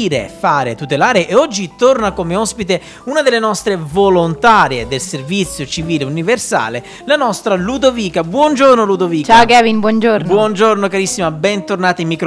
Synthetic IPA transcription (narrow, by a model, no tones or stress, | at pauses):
ɾḛfaːɾet̪ut̪elaːɾeʔːɔd͡ʒːit̪ornakomeɔspit̪e | unad̪elːenɔst̪ɾevolont̪aːɾjed̪elservit̪sːjot͡ʃiviːleuniversa̰ːle | lanɔst̪ɾalud̪oviːkabwɔnd͡ʒornolud̪oviːt͡ʃakɛvinbwɔnd͡ʒoɾnbwɔnd͡ʒornokaɾisːimabɛnt̪ornaːt̪aimːikɾ